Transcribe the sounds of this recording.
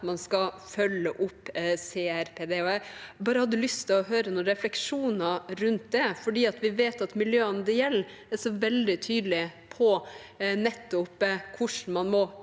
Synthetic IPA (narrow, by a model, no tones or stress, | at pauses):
mɑnskɑfœlːəʔʊpːseːæɾpʰeːd̪eːɔæbɑːɾəhɑd̪ːʉlʏst̪ʰɪlɔɦøːɾənɔɾɛflɛkʂuːnɑɾʉnt̪̚d̪ɛfɔɖiːɑt̪ʰʋɪʋeːt̪ɑt̪mɪljøːənd̪ɛjɛlː | ɛʂɔʋɛld̪ɪt̪ʰyːd̪lɪpʰɔ | nɛt̪ːʊpkʰʊʂɳ̩mɑnmɔ